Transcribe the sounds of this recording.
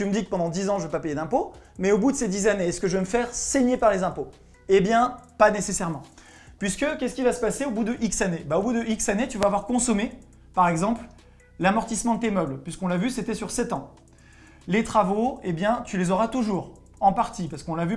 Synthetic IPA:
t̪yməd̪ikə̥pɑ̃d̪ɑ̃d̪izɑ̃ʒəvøpapejed̪ɛ̃pomɛobud̪əsed̪izaneɛsə̥kəʒəveməfɛʁseɲepaʁlezɛ̃po | ebjɛ̃panesesɛʁmɑ̃ | pɥiskəkʲɛskʲivasə̥paseobud̪əʔiksanebaobud̪əʔiksanet̪yvaːvwaʁkɔ̃sɔme | paʁɛɡzɑ̃pl | lamɔʁt̪ismɑ̃d̪ət̪emœblpɥiskɔ̃lavyset̪ɛsyʁsɛt̪ɑ̃ | let̪χavoebjɛ̃t̪ylezɔʁat̪uʒuʁ | ɑ̃paʁt̪ipaʁsə̥kɔ̃lavy

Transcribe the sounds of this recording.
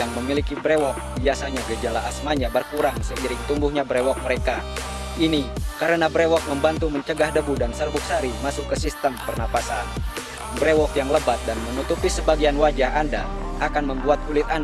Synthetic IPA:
jaŋməmilikibɾewɔk̚biasaɲaɡəd͡ʒalaasmaɲabərkuɾaŋsəkiɾɪŋt̪uŋɡuhɲabəɾewɔk̚məɾeka | inikaɾənabɾewɔk̚məmbant̪uməɲt͡ʃəɡahdəbudansərbuk̚saɾimasʊkːəsist̪əmpərnapasan | bɾewɔkjaŋləbat̪̚danmənut̪upisəbaɡianwad͡ʒahandaʔakanməmbuat̪̚ulɪt̪̚an

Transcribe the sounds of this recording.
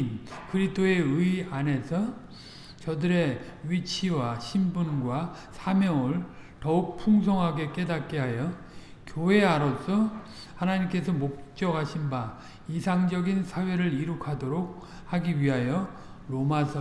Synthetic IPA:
nkɯɾistʰoe̞ɯiane̞sʰʌ | t͡ɕʌdɯɾe̞ɥit͡ɕʰiwaɕʰimbunɡwa | sʰamjʌŋɯɭtʌuk̚pʰuŋsʰʌŋɦaɡe̞k͈e̞dat̚k͈eɦajʌ | kjoɦe̞aɾʌsʰʌ | hanaɲimk͈e̞sʰʌmok̚t͡ɕ͈ʌɡɦaɕʰinba | isʰaŋd͡ʑʌɡinsʰawe̞ɾɯɭiɾukʰadoɾok̚ | haɡiɥiɦajʌ | ɾomasʰʌ

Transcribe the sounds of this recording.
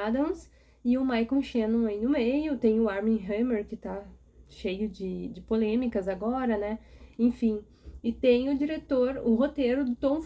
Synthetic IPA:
ad̪ɐ̃w̃s | ɪʊmajkõʃẽnũaĩnʊmejʊt̪ẽj̃ʊaɾmĩɦɐ̃meɾkɪt̪a | ʃejʊd͡ʒɪd͡ʒɪpolẽmikɐzaɡɔɾɐnɛẽfĩ | ɪt̪ẽj̃ʊd͡ʒiɾet̪oɾʊɦot̪eɾʊd̪ʊt̪õw̃f

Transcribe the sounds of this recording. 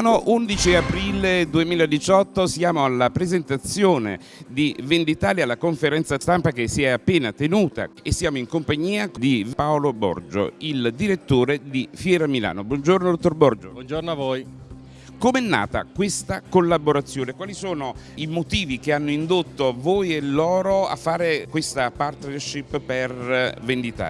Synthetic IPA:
noʔund̪it͡ʃiapɾiːled̪uemiːlaed̪it͡ʃɔt̪ːosjaːmoalːapɾezent̪at̪sːjoːnḛ | d̪ivend̪it̪aːljalːakoɱfeɾɛnt̪sast̪ampakesiɛapːeːnat̪enuːt̪a̰esːjaːmoiŋkompaɲːiːakd̪ipaolobɔ̰rd͡ʒo̰ild̪iɾet̪ːoːɾed̪ifjɛːɾamila̰ːnobwɔnd͡ʒornod̪ot̪ːorbɔrd͡ʒoɔnd͡ʒornoavoːj | komɛnːa̰ːt̪a̰kwest̪akolːaboɾat̪sːjoːnekwaːlisoːno | imot̪iːvikeanːoind̪ot̪ːoavoːjelːɔːɾoa̰fːaːɾekwest̪apart̪nerʃipːervend̪it̪a̰ː

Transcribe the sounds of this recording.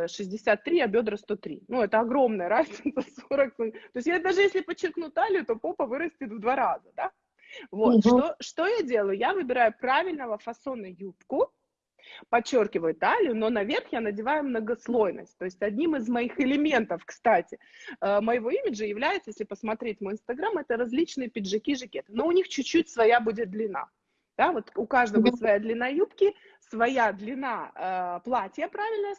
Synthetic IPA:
ʂɨzʲdʲɪsʲat̪ːɾʲiabʲo̞d̪ɾəst̪o̞t̪ɾʲḭnuɛt̪əɐɡɾo̞mnəjəɾazʲnʲɪt̪səsoɾəkst̪o̞ɪsʲt̪̬ʲjad̪aʐɨjesʲlʲɪpət͡ɕːɪrknut̪alʲɪjʊt̪o̞po̞pəvɨɾəsʲtʲɪt̪vd̪vaɾazəd̪a | vo̞t̪ʂt̪o̞ʂt̪o̞jadʲe̞lˠəjʊjavɨbʲɪɾajʊpɾavʲɪlʲnəvəfɐso̞nəjupkʊ | pɐt͡ɕːo̞rkʲɪvəjʊt̪alʲɪjʊno̞nɐvʲe̞rxjanədʲɪvajʊmnəɡɐslˠojnə̰sʲt̚ʲt̪o̞ɪsʲtʲɐdʲnʲimɨzmɐixɪlʲɪmʲe̞nt̪əfkst̪atʲɪəməjɪvo̞imʲɪʐəjɪvlʲæjɪt̪səjesʲlʲɪpəsmɐt̪ɾʲet̚ʲmojɪnst̪ɐɡɾamɛt̪əɾɐzʲlʲit͡ɕnɨjəpʲɪʐɨkʲiʐɨkʲe̞t̪ɨnoʊnʲixt͡ɕʉt͡ɕːutʲsvɐjabudʲɪt̪̚d̪lʲɪna̰ | d̪̥avo̞t̪ʊkaʐd̪əvsvɐjad̪lʲɪnajupkʲɪ | svɐjad̪lʲɪnaəplˠatʲɪjəpɾavʲɪlʲnəə

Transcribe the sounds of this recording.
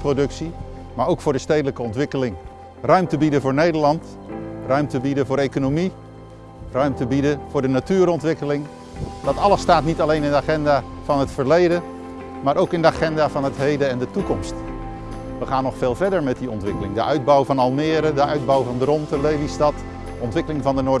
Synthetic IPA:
prodɵksi | maːɹowkfʊːɹdəstejdələkəɔntʋɪkəlɪŋ | rœɥmtəbidəvʊːɹnejdəɹlɑnt | rœɥmtəbidəvʊːɾekonomi | rœɥmtəbidəv̥ʊːɹdənatyːɾɔntʋɪkəlɪŋ | dɑtɑlˠəsːtaːtnitalejnɪndəaχɛndavɑnɦətfəɹlejdə | maːɾʔowkɪndəaχɛndaːvɑnətɦejdəɛndətukɔmst | ʋəχaːnːɔχfeːlˠvɛɹdəɹmɛt̚diɔntʋɪkəlɪŋdəʔœɥd̚bɔwvɑnɑlˠmɪːɾədəʔœɥd̚bɔwvɑndərɔntəlejlistɑt | ɔntʋɪkəlɪŋvɑndənʊɹ

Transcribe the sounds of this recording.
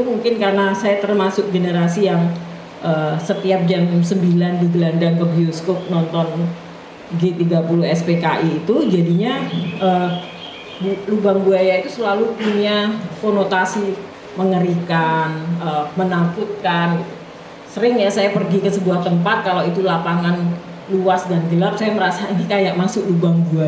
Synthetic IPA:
it̪umuŋkɪnkarənasajat̪ərmasʊk̚ɡenəɾasijaŋ | ʔəsət̪iap̚d͡ʒamsəmbilandiɡəlandaŋkəbioskɔk̚nɔnt̪ɔn | ɡet̪iɡapuluhɛspekaʔiːt̪ud͡ʒadiɲaʔə | bulubaŋbuajait̪usəlalupuɲakonot̪asi | məŋəɾikanəmənakut̪̚kan | səɾɪŋjasajapərɡikəsəbuaht̪əmpat̪̚kalait̪ulapaŋan | luasdanɡəlap̚sajaməɾasainikajaʔ̚masʊlubaŋbua

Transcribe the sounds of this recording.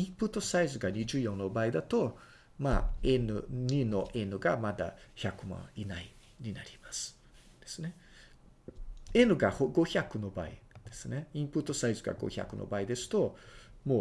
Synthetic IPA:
ĩmpɯ̟t̪ːo̞saizɨɡaɲ̟id͡ʑɨːjõ̞nːo̞baːid̪at̪o̞ | ma̰enɯɲino̞ʔenɯ̟ɡamad̪a̰çakɯ̟mã̰inai | ɲ̟ina̰ɾʲimasɨ̥ | d̪̥e̞sɨne̞ | e̞nɯ̟ɡahoɡo̞çakɯ̟no̞baid̪̥e̞sɨne̞ĩmpɯ̟t̪ːo̞saizɨɡa̰ɡo̰ça̰kɯ̟no̰baid̪e̞sɨ̥t̪o̞mo̞ː

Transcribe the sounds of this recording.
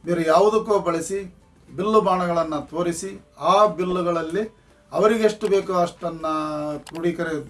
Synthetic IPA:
miːɾujaːʋud̪ukːoːbɐɭisi | bilːubaːɳɐɡɐɭɐnːɐt̪ʰo̞ːɾisi | aːbilːuɡɐɭɐlːi | ɐʋɐɾiɡeeʂʈubeːkuɐʂʈɐnːɐpɾuːɽikɐɾe

